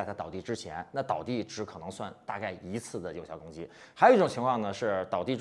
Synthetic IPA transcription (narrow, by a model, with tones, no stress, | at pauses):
ɪt̪ʰa˥˩t̪ɑ˨˩ʊt̪i˥˩ʈ͡ʂɻ̩˥t͡ɕʰjɛ̰˧˥nna˥˩t̪ɑ˨˩ʊt̪i˥˩ʈ͡ʂɻ̩˧˥kʰɤ˨˩nɤ˧˥ŋswa˥˧nt̪a̰˥˧ka˥˩ɪi˧˥t͡sʰɹ̩˥˩d̪ə˩jo˨ʊɕjɑ˥˩ʊkʊ˥ŋt͡ɕḭ˥ | xa˧˥ji˥ʈ͡ʂʊ˨˩ŋt͡ɕʰi˧˥ŋkʰwɑ˥˩ŋnə˩ʂɻ̩˥˩t̪ɑ˨˩ʊt̪i˥˩˧ʈ͡ʂ